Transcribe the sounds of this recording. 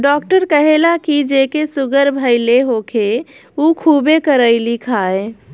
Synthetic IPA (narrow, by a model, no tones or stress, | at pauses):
ɖɔkʈəɾkəɦelakid͡ʒekesuɡəɾbʱəɪleɦokʰe | ukʰubekəɾəɪlikʰae